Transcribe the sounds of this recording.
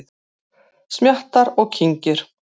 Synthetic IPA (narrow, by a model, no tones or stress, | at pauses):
ð | smjaht̪aɾɔɣcʰiɲcɪɾ̥